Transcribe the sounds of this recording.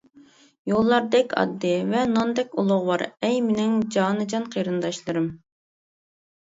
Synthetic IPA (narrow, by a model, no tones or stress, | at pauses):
jolˠːɑɾd̪ɛkʲʰɑ̰d̪ːɨvɛnɑnd̪ɛkʲulˠʊʁwɑɾɛjmɪnɪŋd͡ʒɑːnɨd͡ʒɑnqʰijɾɨnd̪ɑʃlˠɨɾɨm